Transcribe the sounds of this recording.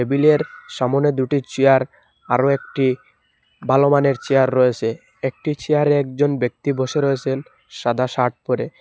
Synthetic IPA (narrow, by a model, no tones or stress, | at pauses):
ebileɾʃamoned̪uʈit͡ɕiaɾ | a̰ɾoek̚ʈi | balomaneɾt͡ɕeaɾːɔet͡ɕʰe | ek̚ʈit͡ɕeaɾeɛk̚d͡ʑonbek̚t̪iboʃeɾɔet͡ɕʰen | ʃad̪ʱaʃaɾʈ̚poɾe